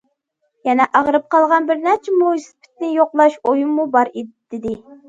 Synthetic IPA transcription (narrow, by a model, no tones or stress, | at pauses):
jɛnɛʔɑʁɾɨp̚qʰɑlˠʁɑnbɪɾnæt͡ʃʰɪmusɨ̥pʰɪ̥t̪nɪjoqlˠɑʃojumːubɑɾed̪̥ɪd̪ɪ